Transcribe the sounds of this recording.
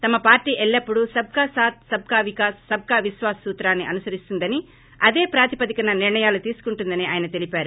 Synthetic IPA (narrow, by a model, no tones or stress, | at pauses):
t̪ɐmɐpaːɾʈiːʔɛɭːɐpːuɽusɐb̚kaːsaːt̪sɐb̚kaːʋikaːsɐb̚kaːʋiʃʋaːsɐsuːt̪ɾaːnːiʔɐnusɐɾist̪und̪ɐni | ɐd̪e̞ːpɾaːt̪ipɐd̪ikɐnɐniɾɳɐjaːlut̪iːsu̥kuɳʈund̪ɐniʔaːjɐnɐt̪e̞lipaːɾu